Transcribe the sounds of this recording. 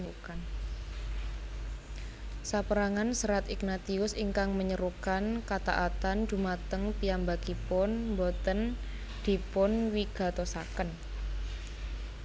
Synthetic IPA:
ukan | sapəɾaŋansəɾat̪iknat̪iʊsiŋkaŋməɲəɾukankat̪a̰ʔat̪and̪̥ṳmat̪əŋpijambakipʊnmbɔt̪ən | d̪̥i̤pʊnwiɡ̥a̤t̪osa̰kən

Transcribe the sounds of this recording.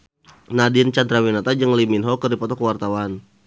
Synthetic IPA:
nadint͡ʃand̪ɾawinat̪ad͡ʒəŋliminɦɔkərdipɔt̪ɔkəwart̪awan

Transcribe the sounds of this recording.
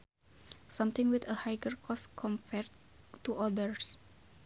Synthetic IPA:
sʌ̃mt̪ɪ̃ŋwit̪əhajɡəɹkʰɔskʰɔ̃mpʰɛɹ | t̪uʔɔdəɹs

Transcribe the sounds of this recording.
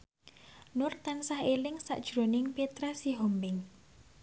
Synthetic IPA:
nʊrt̪ansahelɪŋsa̰ʔd̥ʒ̥ɾo̤nɪŋpet̪ɾasiɦɔmbɪŋ

